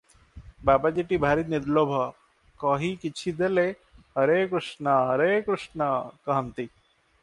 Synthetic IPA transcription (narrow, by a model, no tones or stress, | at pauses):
baːbad͡ʒeʈibʱaːɾit̪̚niɾloːbʱɐ | kɔːɦikit͡ʃʰid̪ele | ɦɐɾeːkɾuʂnaɦɐɾekɾʊʂɳɐkɐɦənt̪i